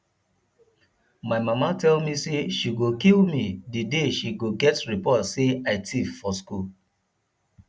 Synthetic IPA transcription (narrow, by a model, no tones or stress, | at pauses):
maɪmamatɛlmiseʃiɡokilmidideʃiɡoɡɛtɹipɔtseaɪtʰiffɔskul